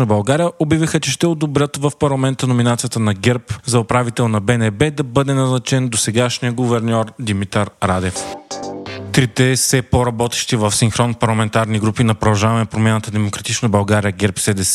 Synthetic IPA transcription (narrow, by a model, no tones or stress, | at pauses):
nəbɐlˠɡaɾijəʔobivixət͡ʃɛʃt̪ɛod̪obɾʲət̪vɐfpɐɾlˠɐmɛnt̪ənominat̪sijət̪ənɐɡɛɾpzɐoʊpɾavit̪ɛlˠnɐbɛnɛbɛd̪ɐbɤd̪ɛnɐznɐt͡ʃɛnd̪osɛɡaʃnijəɡʊvɛɾnʲɔɾd̪imit̪ɐɾɾad̪ɛf | t̪ɾit̪ɛsɛpoɾɐbɔt̪ɛ̥ʃt̪ivɐfsiŋxɾɔnpɐɾlˠɐmɛnt̪aɾniɡɾupinɐpɾod̪ɐʒavɐmɛpɾomʲanət̪əd̪ɛmokɾɐt̪it͡ʃnəbɐlˠɡaɾijəɡɛɾpsɛd̪ɛs